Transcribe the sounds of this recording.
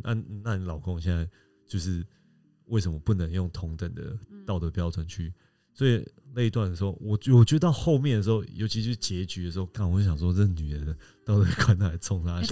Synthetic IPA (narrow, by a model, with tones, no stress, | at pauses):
na̰˥˧n˨na˥˨ni˨˩lɑ˨˩ʊkʊ˥˧ŋɕjɛ˥˧nt͡sa˥˧ɪ | t͡ɕjo˥˧ʊʂ̬ɻ̩˥˧ | we˥˩ɪʂ̬ə˧˦mə˨˩pu˥˩nə˧˦ŋjʊ˥˩ŋt̪ʰʊ˧˦ŋt̪ə˨˩ŋd̪ə̰˩t̪ɑ˥˨ʊt̪ə˧˩pjɑ˥ʊʈ͡ʂwə˨˦nt͡ɕʰy˥˩ | swɔ˧˥i˨le˥˧ɪi˦t̪wa˥˩nd̪ə˩ʂ̩˧xo˥˩wɔ˨˩wɔ˨˩t͡ɕɥɛ˧˥d̪ə˧t̪ɑ˥˧ʊxo˥˧ʊmjɛ˥˨nd̪ə˩ʂ̬̩˧˥xo˥ʊjo˧˥t͡ɕʰi˧jo˥ʂ̩˥˩t͡ɕjɛ˧˥t͡ɕy˨˥d̪ə˨˩ʂɻ̩˧xo˥˩ʊka˥˩wo˥˩ɕjɑ˨˩ŋswɔ˥t͡sə˥˩ɡə˩ny˨˩ɻə˨˦nə˦ | t̪ɑ˥˩ʊt̪ə˥˧kʰwa˥˦nt̪t͡sʰʊ˥ŋla˥˨˦